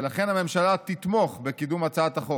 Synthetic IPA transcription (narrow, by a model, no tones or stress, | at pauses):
laχenhame̞mʃalat̪it̪mo̞χbekid̪umat͡saat̪aχo